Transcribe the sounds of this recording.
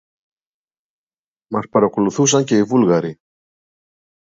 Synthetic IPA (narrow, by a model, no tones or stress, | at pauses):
mɐspɐɾɐko̞luθusɐɲce̞ivulɣɐɾi